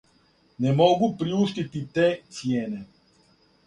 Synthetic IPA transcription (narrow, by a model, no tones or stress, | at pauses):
nɛmɔɡupɾiuʃt̪it̪it̪ɛt̪siɛnɛ